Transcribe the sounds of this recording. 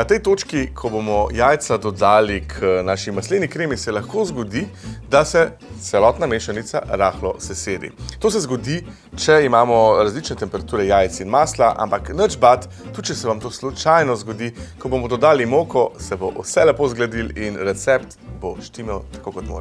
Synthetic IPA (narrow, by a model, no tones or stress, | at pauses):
nat̪ɛjt̪oːt͡ʃkikʰɔbomɔjaːjt̪sad̪ɔd̪aːlikʰnaːʃimaslenikɾeːmisɛlaxkoːzɡɔd̪id̪asɛ | t̪sɛlɔt̪nameːʃanit̪sa̰ɾaːxlɔsɛseːɾḭt̪oːsɛzɡɔd̪i | t͡ʃɛimaːmɔɾazlit͡ʃnɛt̪ɛmpɛɾat̪uːɾɛjaːjt̪sinmaːslaʔa̰mpaknəd͡ʒbat̪ː | ut͡ʃɛsɛʋamt̪oːslut͡ʃajnɔzɡɔd̪ikɔbomɔd̪ɔd̪aːlimoːkɔsɛboʔṵsɛlɛpozɡlad̪ilinɾɛt̪sɛpt̪boʃt̪imɔwt̪ḁkokɔt̪mo̰ɾ